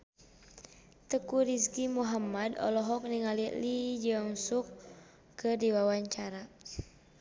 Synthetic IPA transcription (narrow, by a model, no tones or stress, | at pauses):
t̪əkuɾiskimuɦamadɔ̰lɔɦɔk̚niŋalilid͡ʒəŋsukː | ɨrdiwawaɲt͡ʃaɾa